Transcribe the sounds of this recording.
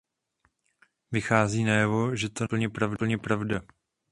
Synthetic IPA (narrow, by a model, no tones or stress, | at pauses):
vɪxaːziːnajɛvo̞ʒɛt̪ol̩ɲɛpɾavl̩ɲɛpɾavda